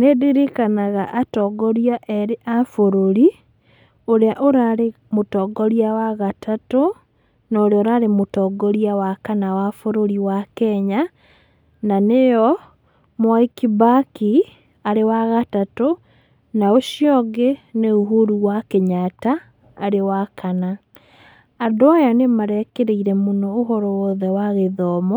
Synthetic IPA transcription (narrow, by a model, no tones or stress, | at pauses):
nediɾikanaɣaʔatɔɡɔɾjaʔeɾeʔafoɾoɾi | oɾeaʔoɾaɾe | motɔɡoɾjawaɣatʰato | naoɾoɾaɾemutɔːɡɔɾjawakanawafoɾoɾiwakɛɲa | nanejɔ | mwaikibaki | aɾewaɣatato | naoʃiɔɡeneoɦoɾuwakeɲataː | ɾewakʰana | andoajanemaɾɛkeɾeiɾɛmonɔːɦɔɾɔwɔðɛwaɣeðɔːmɔ